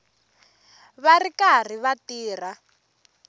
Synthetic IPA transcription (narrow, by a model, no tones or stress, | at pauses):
βarikar̤iβatiːr̤a